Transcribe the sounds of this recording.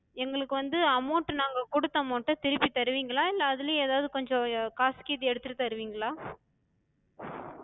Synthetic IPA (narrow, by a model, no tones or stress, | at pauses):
ɛŋɡɐɭɯkːɯʋɐnd̪ɯɐmoːʈːɯnaːŋɡɐkʊɽɯt̪ːɐɐmoːʈːɯt̪ɪɾɯpːit̪ːɐɾɯʋiːŋɡɐɭaːɪlːɐɐðɪleeːðaːʋðɯkɔɲd͡ʒɔ̃kaːskiːðiɛɽɯt̪ːɯʈːɯt̪ːɐɾɯʋiːŋɡɐɭaː